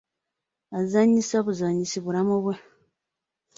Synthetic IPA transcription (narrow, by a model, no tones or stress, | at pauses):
azaɲːisoβuzaɲisiβuɾamuβwe